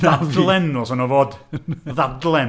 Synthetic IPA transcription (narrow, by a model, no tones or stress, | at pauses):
adlˠɛnɔsɔnɔvoːdðavdlˠɛn